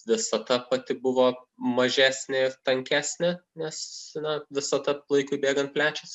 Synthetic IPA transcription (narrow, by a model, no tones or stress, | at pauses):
ʋʲɪsɐd̪ɐpɐt̪ʲɪbʊʋoːmɐʒʲæːsʲnʲɪɪrt̪ɐŋʲkʲæːsʲnʲɪnʲɛsnɐʋʲɪsɐd̪ɐlˠɐɪkʊɪbʲeːɡɐnt̪̚pʲlʲæːt͡ʃʲʊs